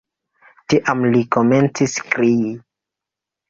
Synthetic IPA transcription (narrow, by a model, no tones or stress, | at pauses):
tiʔamlikome̞nt͡siskɾii